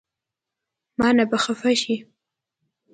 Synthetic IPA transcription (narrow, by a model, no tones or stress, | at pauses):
mɑnabaxafaʃi